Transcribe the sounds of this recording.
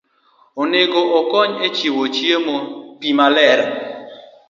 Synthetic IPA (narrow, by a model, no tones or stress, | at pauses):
onɪɡoʔɔkɔɲet͡ʃiwot͡ʃjemopimalɛɾ